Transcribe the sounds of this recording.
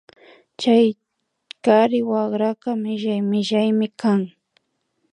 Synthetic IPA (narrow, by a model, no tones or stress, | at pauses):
t͡ʃaj | kaɾɪwaɢɾakamɪʒajmɪʒajmɪkʰaŋ